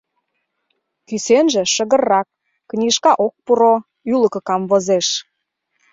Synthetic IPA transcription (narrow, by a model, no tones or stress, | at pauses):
kysenʒĕʃə̆ɣə̆rːɑk̚ː | nʲiʃkɑʔok̚puɾo | ylə̆kə̆kɑmvozeʃ